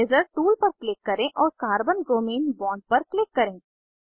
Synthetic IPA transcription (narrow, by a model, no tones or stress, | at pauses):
eːzəɾʈuːlpɐɾklɪkːɐɾẽʔɔːɾkaːɾbənɾoːmeːnbɔ̃ːɳɖ̚pɐɾklɪkːɐɾẽː